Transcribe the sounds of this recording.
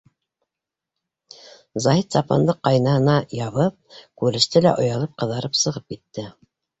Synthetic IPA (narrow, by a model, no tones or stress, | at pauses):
zɑɦit̪sɑpɑ̰nd̪ɤqːɑjnɑhɤ̆nɑjɑβɤp̚kʉɾɘ̆ʃt̪ɘlæ̰ʔŏjɑlˠɤp̚qɤ̆ðɑɾɤpsɤ̆ʁɤp̚kit̪ːɘ